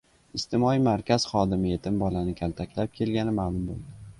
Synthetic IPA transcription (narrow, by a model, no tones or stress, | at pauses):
ɪst̪ʰɪmɒimaɾkʲaz̥χɒd̪ɪmɪje̞t̪ʰɪmbɒlanɪkʲʰalˠt̪ʰakʲlap̚kʲʰe̞lɡʲanɪmaːlˠʊmbo̰lˠd̪ɪ